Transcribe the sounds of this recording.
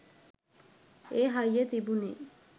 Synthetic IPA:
eɦajet̪ibunḛ

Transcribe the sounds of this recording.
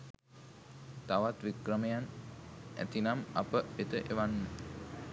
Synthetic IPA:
t̪aʋat̪ʋikrəmejan | æ̰t̪inama̰pəet̪əʔeʋanːə

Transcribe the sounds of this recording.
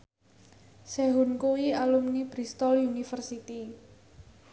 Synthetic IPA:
sɛɦunkuwialumnib̥ɾist̪ɔlunifərsit̪i

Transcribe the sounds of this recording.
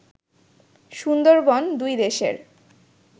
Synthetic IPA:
ʃund̪oɾbɔnd̪ujd̪eʃḛɾ

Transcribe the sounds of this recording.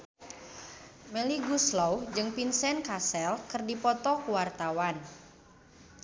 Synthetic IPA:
meliɡuslɔwd͡ʒɨŋpinsɛnkasɛlkərdipɔt̪ɔkuwart̪awan

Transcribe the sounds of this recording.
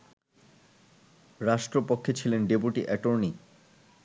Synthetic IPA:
ɾaʃʈɾopokʰːet͡ɕʰilenɖepuʈiʔɛʈoɾni

